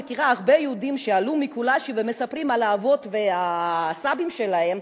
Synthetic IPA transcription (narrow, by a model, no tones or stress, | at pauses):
ekiʁaaʁbejɛud̪imʃealumikulaʃivemesapʁimalaːvo̞t̪ve̞asabimʃe̞lae̞m